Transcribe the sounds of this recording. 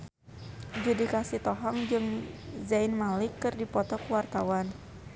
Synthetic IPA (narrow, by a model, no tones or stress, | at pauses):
d͡ʒudikasit̪ɔɦɔŋd͡ʒɨŋzainmalɪkːɨrdipɔt̪ɔkəwart̪awan